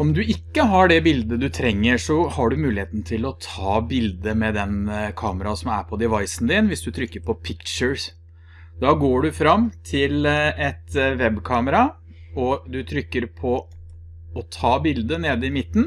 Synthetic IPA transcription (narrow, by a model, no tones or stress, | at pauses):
ɔmd̪ʉʔɪkːəɦɑɖɛbɪld̪əd̪ʉt̪ʰɾɛŋːəʂɔhɑɖʉmʉːlɪheːt̪nt̪ʰɪlɔt̪ʰɑːbɪld̪əmɛd̪ɛnkʰɑːməɾɑsɔmæɾpʰɔd̪ɛʋɑɪsnd̪ɪnʋɪsd̪ʉt̪ʰɾʏkːəɾpʰɔpʰɪkʃəɹs | d̪ɑːɡoːɖʉfɾɑmːt̪ʰɪlɛt̪ʋɛbkʰɑːməɾɑ | ɔd̪ʉt̪ʰɾʏkːəɾpʰɔ | ɔt̪ʰɑːbɪld̪əneːd̪əɪmɪt̪ːn̩